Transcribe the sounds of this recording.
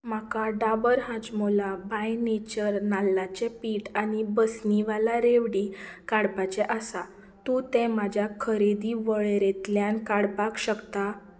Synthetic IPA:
m̤akaɖabəɾɦãt͡smolabajnet͡ɕəɾnalːat͡ɕepiːʈanibəsniʋalaɾeʋɽiːkaɽbat͡ɕeʔasa | t̪ũt̪ɛ̃mad͡ʑʱjakʰəɾed̪iʋəɭɾet̪ljãnkaɽbakɕəkt̪a

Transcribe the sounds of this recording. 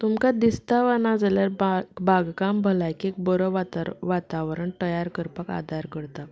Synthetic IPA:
t̪umkad̪ist̪aʋənad͡zaljaɾbaɡkambʱəlajkek̚bɔɾəʋat̪ʋat̪aʋɾəɳt̪əjaɾkəɾpaka̰d̪ʱaɾkəɾt̪a

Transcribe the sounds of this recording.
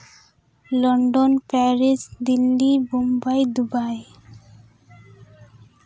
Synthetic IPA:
lɔɳɖonpɛɾisd̪ilːibombajd̪ubaj

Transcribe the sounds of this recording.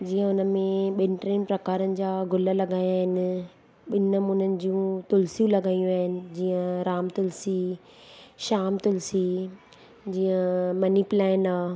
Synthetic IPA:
d͡ʑiːə̃ʊnəmẽɓɪnɪʈɾeːnɪpɾɐkaːɾənɪ̆d͡ʑaːɡʱʊləlɐɡaːjaːɦɪnɪ̆ | ɓɪnəmʊnənɪ̆d͡ʑiũt̪ʊlsijũlɐɡaːijũaːɦɪnɪ̆d͡ʑiːə̃ɾaːmt̪ʊlsi | ʃaːmt̪ʊlsi | d͡ʑiːə̃mɐnipɪlaːɪnaː

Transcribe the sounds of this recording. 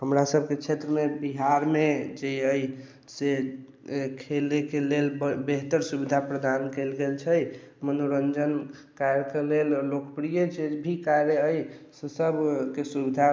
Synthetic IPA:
ɦəmɾasəb̚ʱket͡ʃʰet̪ɾəmebiɦaɾmed͡ʒejəj | se | kʰelekelelbeɦt̪əɾsubid̪ʱapɾəd̪ankelɡelt͡ʃʰɛj | mənoɾənd͡ʒənkaɾjəkelellokəpɾijəd͡ʒed͡ʒbʱikaɾjəəjsesəbʱkesubid̪ʱa

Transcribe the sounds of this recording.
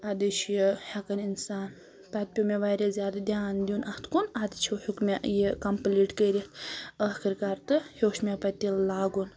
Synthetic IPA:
ad̪ɨt͡ʃʰjihɐkɐninsaːn | pɐt̪̚pʲumeʋaːɾezʲjaːd̪ad̪ʲjaːnd̪ʲiunɐht̪ʰkunad̪it͡ʃʰohukmʲejikɐmpliːʈkəːɾʲit̪ɐːxiɾkaɾt̪ɨhoːʃmʲepɐt̪ːillaːɡun

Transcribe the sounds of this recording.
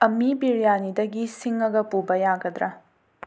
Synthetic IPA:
ɐmibiɾijanidɐɡisiŋɐɡɐpubɐjaɡɐd̪ɾɐ

